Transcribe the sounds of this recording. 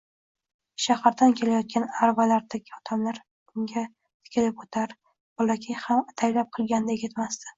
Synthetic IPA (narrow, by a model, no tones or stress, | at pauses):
ʃahaɾd̪ankʲʰe̞lajɒt̪̚kʲanaɾvalaɾd̪aɡʲɪɒt̪ʰamlaɾ | ʊŋɡʲa | t̪ʰɪ̥kʲʰɪlɪpot̪ʰaɾ | bɒlakʲʰɪjhamt̪ʰajlap̚qʰɨlˠɡʲand̪ajeɡʲɪt̪mast̪ɪ̥